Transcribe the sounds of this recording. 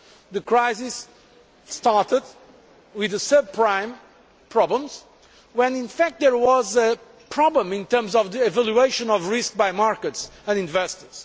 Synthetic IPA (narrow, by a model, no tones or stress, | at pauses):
ðɨkʰɹaɪzisː | taɹtəd̪ | wɪðɨsəb̚pʰɹãɪ̃m | pʰɹɔblə̃mz̥ | wɛ̃nɪ̃nfæk̚t̪̚d̪əɹwɔzɨ | pʰɹɔblə̃mĩnt̪ɜ˞mzɔvðiɪvælˠjueɪʃɨ̃nɔvɹɪsk̚bajmaɹkətsə̃nĩnvɛstə˞z̥